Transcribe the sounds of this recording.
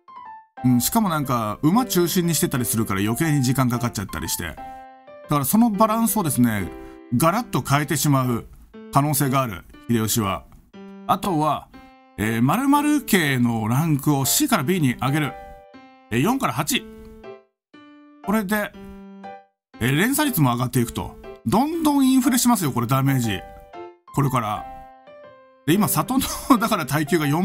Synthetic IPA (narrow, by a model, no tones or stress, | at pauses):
ɯ̟̃ɴ̃ɕi̥kamo̞nãŋkaɯ̟mat͡ɕɨːɕĩɲ̟ːiɕi̥t̪e̞t̪aɾʲisɨɾɯ̟kaɾajo̞ke̞ːɲ̟iʑikãŋkakat͡ɕat̪ːa̰ɾʲḭɕi̥t̪e̞̰ | d̪̥akaɾaso̞no̞baɾãɰ̃sɨod̪e̞sɨne̞ɡaɾat̪ːo̞kaet̪e̞ɕimaɯ̟kano̞ːse̞ːɡaːɾɯ̟̰çiɾe̞oɕiβa̰ | at̪o̞βa | eːmaɾɯ̟maɾɯ̟ke̞ːno̞ɾãŋkɯ̟o̞ɕiːkaɾabʲiːɲ̟iʔaɡe̞ɾɯ̟ | ejõ̞ŋkaɾaɦat͡ɕi | ko̞ɾe̞d̪e̞ | eɾẽ̞ɰ̃saɾʲit͡sɨmo̞aɡat̪ːe̞ikɯ̥t̪o̞̰d̪õ̞nd̪õ̞ɰ̃ĩɰ̃ɸɯ̟ɾe̞ɕimasɨjo̞ko̞ɾe̞d̪ame̞ːʑḭ | ko̞ɾe̞kaɾa̰ | d̪̥e̞imasat̪o̞nod̪akaɾat̪aikʲɨːɡajõ̞